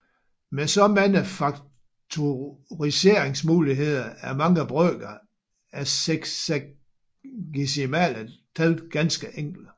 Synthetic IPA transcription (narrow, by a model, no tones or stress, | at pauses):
mesɒ̽mænəfɑ̈ɡ̥̚ | t͡sʰoʁise̝ɐ̰e̝ŋsmuːliɦe̝ð̞̰ˠɐæɐmɑ̈ŋəb̥ʁœːɡ̥ɐ | æseɡ̥se | ɡ̥isimæ̰lət͡sʰælɡ̥ænsɡ̥əʔeŋ̰ɡ̥l̩d